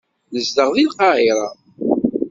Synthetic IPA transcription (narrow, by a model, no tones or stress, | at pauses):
ləzd̪əʁðilqɑʕiɾˤɑ